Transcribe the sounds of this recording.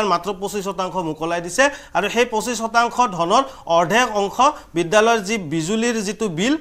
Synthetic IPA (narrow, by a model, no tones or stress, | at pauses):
ɹmatɹɔposishɔtaŋkʰɔmukɔlajdisɛaɹuxejposisxɔtaŋkʰɔdʱɔnɔɹɔɹdʱɛkɔŋkʰɔbidːalɔjɔzibizuliɹzitubil